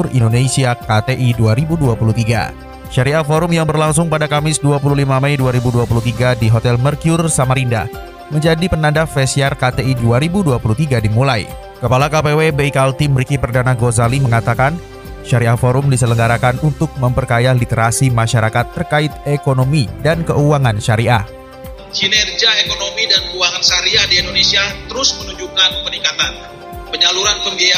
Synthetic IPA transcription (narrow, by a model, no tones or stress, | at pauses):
ʊrḭndonesiakat̪eʔiduaɾibuduapulut̪iɡa̰ | ʃaɾiat̪̚foɾʊmjaŋbərlaŋs̬ʊŋpadakamɪsduapululimamɛjduaɾibuduapulut̪iɡadiɦot̪ɛlmərkijʊrsamaɾinda̰ | məɲd͡ʒadipənandafɛsiarkat̪eiduaɾibuduapulut̪iɡadimulaj | kəpalakapewebeikalt̪imɾikipərdanaɡozaliməŋat̪akan | ʃaɾiafoɾʊmdisələŋɡaɾakanunt̪ʊk̚məmpərkajalit̪əɾasimaʃaɾakat̪ːərkaɪt̪̚ekonomidankəuaŋanʃaɾiʔa | d͡ʒinɛrd͡ʒiaekonomidankəuaŋanʃaɾiadiɛndonesiat̪əɾʊsmənuɲd͡ʒukanpəniŋkat̪an | pəɲaluɾanpəŋɡea